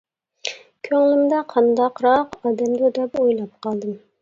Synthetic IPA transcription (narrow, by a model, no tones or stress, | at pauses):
kʲʰøŋlɪmd̪ɑqʰɑnd̪ɑqɾɑqɑːd̪ɛmd̪ʊd̪ɛpojlˠɑp̚qɑlˠd̪ɨm